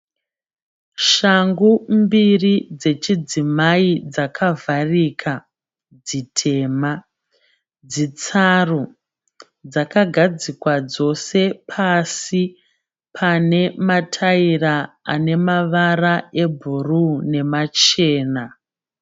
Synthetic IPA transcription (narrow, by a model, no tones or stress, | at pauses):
ʃaŋɡumbirid͡ze̞t͡ʃid͡zimaid͡zakʰavʱarikʰa | d͡zitʰe̞ːma | d͡zit͡saro | d͡zakaɡʱad͡zikwad͡zo̞se̞pʰasi | pʰane̞matʰairaa̰ne̞maʋarae̞bʱurune̞mat͡ʃe̞ːna